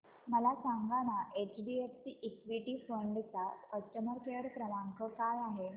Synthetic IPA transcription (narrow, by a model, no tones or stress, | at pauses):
məlasaŋɡaɽ̃aʔet͡ɕɖiefsiʔːkʋiʈiːfəɳɖt͡sakəsʈəməɾkeɽpɾəʋaŋkʰəkalaɦe